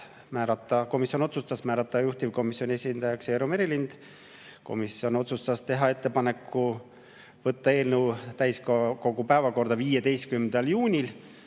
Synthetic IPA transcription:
mæːɾɑt̪ːˑɑko̞misjo̞no̞t̪sust̪ɑsmæːɾɑt̪ˑːɑjuht̪ivko̞misjo̞nʲiesʲind̪̥ɑjɑkse̞ːɾome̞ɾilind̪̥ | ko̞̰misjo̞no̞t̪sust̪ɑst̪e̞ɦɑe̞t̪ːe̞pɑne̞kːu | vɤt̪ːɑe̞ːlnəwt̪æjskɑko̞ɡupæevɑko̞rd̪ɑviːjed̪e̞jst̪̚kymnd̪̥ɑljuːnʲil

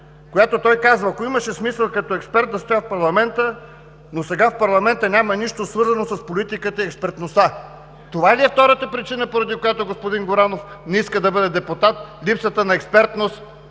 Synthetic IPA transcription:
kojat̪ot̪ɔjkazvɐːkoiməʃɛsmisəlˠkɐt̪ɔɛkspɛɾt̪̚d̪ɐst̪ojafpɐɾlˠɐmɛnt̪ə | nosɛɡafpɐɾlˠɐmɛnt̪ənʲamɐniʃt̪osvɤɾzɐnosɐspolʲit̪ikət̪əiɛkspɛɾt̪nost̪a | t̪ovaɛliɛft̪ɔɾət̪əpɾit͡ʃinəpoɾɐd̪ikojat̪oɡospod̪inɡoɾanofnɛiskəd̪ɐbɤd̪ɛd̪ɛpʊt̪at̪lʲipsət̪ənɐɛkspɛɾt̪nost̪

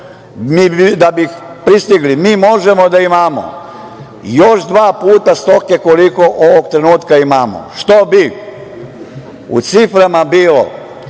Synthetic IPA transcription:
miid̪abix | pɾist̪iɡlimiːmo̞ʒemod̪aimamo̰ | joʃd̪ʋaːpuːt̪ast̪o̞keko̞liko̞ʔoʋoɡ̚t̪ɾe̞nuːt̪kaimaːmo̰ʃt̪obi | ṵt̪sifɾamabiːlo̰

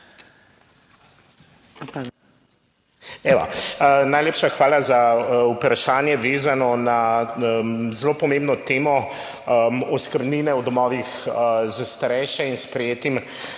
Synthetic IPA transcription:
ɛʋa̰najleːpʃaxʋaːlazaupɾaʃaːnjɛʋeːzanɔna | zloːpɔmẽmbnɔt̪eːmɔ | əɔskəɾbninɛwd̪ɔmɔːʋixəzast̪aɾɛjʃɛinspɾɛjeːt̪im

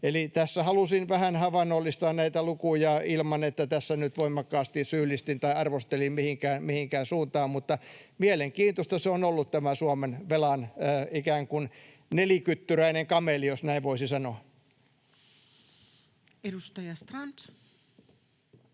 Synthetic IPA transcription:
elit̪æsːæhɑlusinʋæhænhɑʋɑnːolːist̪ɑːnnæit̪ælukujɑilmɑnet̪ːæt̪æsːænyt̪ʋoimˑɑkːɑːst̪isyːlːˑist̪int̪ɑiɑrʋost̪elimmihiŋkæːnmihiŋkæːnsuːnt̪ɑːmmut̪ːɑmieleŋkiːnt̪ost̪ɑseonolːut̪t̪æmæsuɑmenʋelɑnːikæːŋkun | nelikyt̪ːyræineŋkɑmelijosnæiʋʋoisisɑnoɑ | edust̪ɑjɑst̪rɑnt̪

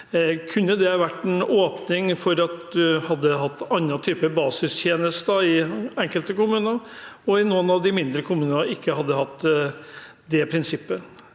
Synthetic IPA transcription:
kʰʉnːəd̪ɛɑʋæʈːɛnoːpnɪŋfɔɾɑt̪d̪ʉhɑd̪ːəɦɑt̪ːɑnːɑt̪ʰyːpəbɑːsɪst̪ʰjeːnəst̪d̪əɪɛŋkəlt̪əkʊmʉːnəɔɪnuːənɑʋd̪ɪmɪnd̪ɾəkʰʊmʉːnənəɪkːəhɑd̪ːəhɑt̪ː | d̪ɛpʰɾɪnsɪpːə

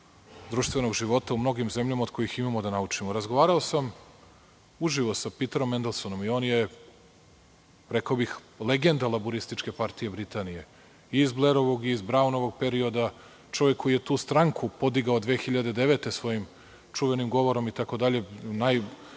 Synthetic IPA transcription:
d̪ɾuːʃt̪ʋeno̞ɡʒiʋo̞t̪aumno̞ɡimze̞mʎamaod̪̥kʰo̞jiximamod̪anaut͡ʂimoɾazɡo̞ʋaːɾaosam | uʒiʋosapit̪eɾo̞mːend̪elˠsono̞mio̞ːnje | ɾe̞kaobix | le̞ɡe̞nd̪alˠabuɾist̪it͡ʂke̞paɾt̪ije̞bɾit̪aːnije̞ | izblˠeɾo̞ʋoɡiːzbɾaunoʋo̞ɡ̚pe̞ɾio̞d̪a | t͡ʂo̞ʋjekʰːo̞jije̞t̪uːst̪ɾaŋkupo̞d̪iɡaod̪ʋeːxiʎad̪ed̪e̞ʋe̞t̪e̞sʋo̞jim | t͡ʂuʋe̞nimɡo̞ʋo̞ɾo̞mit̪ako̞d̪aʎe̞naj

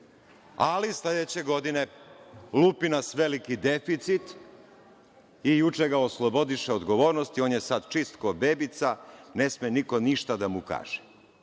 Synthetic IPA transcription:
alisled̪et͡ɕe̞ɡo̞d̪ine̞lupinasʋelikid̪efit̪sit̪ | ijut͡ʂeɡaoslˠobo̞d̪iʃeod̪ɡo̞ʋo̞ːɾnost̪io̞ːnjesad̪t͡ʃist̪kobeːbit̪sane̞smeniko̞niʃt̪ad̪amuka̰ːʒ̥ɛ̥

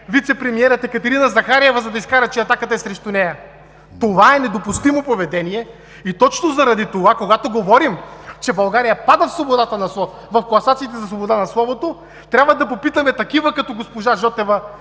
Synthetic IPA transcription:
vit̪sɛpɾɛmiɛɾɐt̪ɛkɐt̪ɛɾinɐzɐxaɾijɛvəzɐd̪ɐiskaɾɐt͡ʃɛɐt̪akət̪ɐɛsɾɛʃt̪unɛjɐ | t̪ovaɛnɛd̪opust̪imopovɛd̪ɛniɛ | it̪ɔt͡ʃnozɐɾɐd̪it̪ovakoɡat̪oɡovɔɾimt͡ʃɛbɐlˠɡaɾijɐpad̪əfslˠobod̪at̪ənɐsˠɔ | vɐfklˠɐsat̪sit̪ɛzɐslˠobod̪anɐslˠɔvot̪o | t̪ɾʲabvəd̪ɐpopit̪əmɛt̪ɐkivəkɐt̪ɔɡospoʒaʒɔt̪ɛvɐ

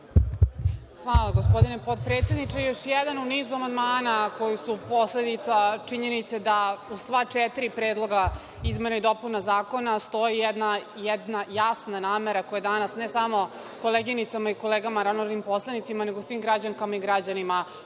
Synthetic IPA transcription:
xʋaːlˠaɡospo̞d̪ine̞po̞d̪pɾet̪sjed̪nit͡ʃejo̞ʃjɛd̪anuniːzuamand̪maːnako̞jisupo̞sle̞d̪it̪sat͡ʂiɲe̞nit̪se̞d̪ausʋat͡ʃɛt̪iɾipɾeːd̪lˠo̞ɡa | izmenaid̪o̞punazaːko̞nast̪o̞jijɛd̪najɛd̪najasnanaːmeɾakojed̪anasnesamo̞ | kolˠeɡinit̪samaiko̞leːɡamaɾanoɾanimpo̞slˠanit̪simane̞ɡousʋiːmɡɾad͡ʑaŋkamaiɡɾad͡ʑanima

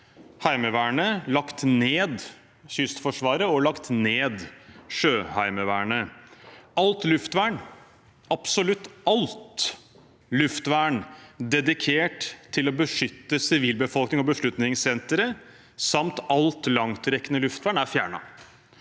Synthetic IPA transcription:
hæɪməʋæːɳəlɑkt̪neːd̪ | ɕʏst̪fɔʂʋɑːɾəɔlɑkt̪neːd̪ʂøːhæɪməʋæːɳə | ɑlt̪lʉft̪ʋæːɳ | ɑpsɔlʉt̪ːɑlt̪ | lʉft̪ʋæːɳd̪ɛd̪ɪkʰeːʈt̪ʰːɪlɔbəʂʏt̪ːəsɪʋiːlbəfɔlknɪŋɔbəʂɭʉt̪nɪŋsɛnt̪əɾə | sɑmt̪ɑlt̪lɑŋt̪ɾɛkːənəlʉft̪ʋæːɳæɾfjæ̰ːɳɑ̰

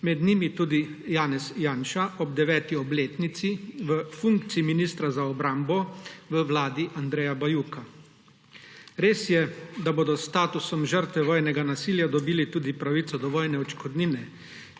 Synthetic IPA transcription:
mɛd̪nimit̪uːd̪ijaːnɛsjaːnʃaʔɔbd̪ɛʋɛːt̪iɔbleːt̪nit̪siʋəfuŋkt̪siiminist̪ɾazaɔbɾambɔʋəʋlaːd̪iʔand̪ɾɛːjabajuka | ɾeːsjɛd̪aboːd̪ɔst̪aːt̪usɔmʒəɾt̪ʋɛʋɔːjnɛɡanasiːljad̪ɔbiːlit̪uːd̪ipɾaʋit̪sɔd̪ɔʋɔːjnɛɔt͡ʃkɔd̪niːnɛ

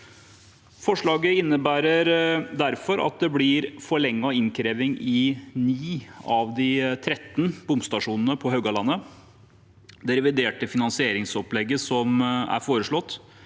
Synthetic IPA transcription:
fɔʂɭɑːɡəɪnːəbæːɾəɾd̪æɾfɔɾɑ̰t̪̚d̪ɛblɪɾfɔɭɛŋːɑɪnkʰɾeːʋɪŋɪniːɑʋd̪ɪt̪ʰɾɛt̪ːn̩bʊmst̪ɑʂuːnən̩əpʰɔɦœɡɑlɑnːə | d̪ɛɾɛʋɪd̪eːʈəfɪnɑnsɪeːɾɪŋsɔplɛɡːəsɔmæ̰ɾfoːɾəʂɭɔt̪ː

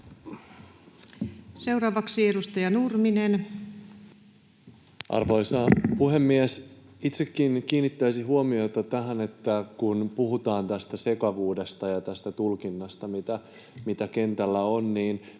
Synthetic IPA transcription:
sewɾɑːʋɑksieɾust̪ɑjɑnurminen | ʔɑ̰rʋo̞jsɑːpuɦe̞mːies | it̪sekːinkiːnːit̪ːæjsiɦuomio̞t̪ɑt̪æɦæne̞t̪ːækunpuɦut̪ɑːnt̪æst̪æse̞kɑʋuːde̞st̪ɑjɑt̪æst̪æt̪ulkinːɑst̪ɑmit̪æ | mit̪æke̞nt̪ælːæonniːn

